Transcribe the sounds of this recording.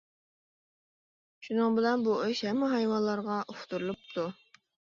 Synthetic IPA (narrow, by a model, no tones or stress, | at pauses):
ʃunɨŋbɪlɛnbuʔeʃhɛmːɪɦɑjwɑnlˠɑɾʁɑʔuft̪ʰuɾulˠup̚t̪ʰu